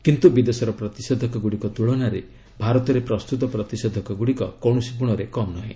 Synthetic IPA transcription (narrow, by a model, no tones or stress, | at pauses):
kint̪ubid̪esɔɾɔpɾɔt̪ised̪ʱɔkɔɡuɽikɔt̪uɭɔnaɾe | bʱaɾɔt̪ɔɾepɾɔst̪ut̪ɔpɾɔt̪ised̪ʱɔkɔɡuɽikɔkɔɳ̃ɔsipuɽ̃ɔɾekɔmnɔɦḭ̃